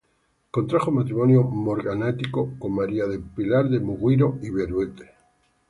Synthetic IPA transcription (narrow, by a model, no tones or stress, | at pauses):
kont̪ɾaxomat̪ɾimonjomoɾɣanat̪ikokommaɾiaðepilaɾðemuɣwiɾoiβeɾwet̪e̥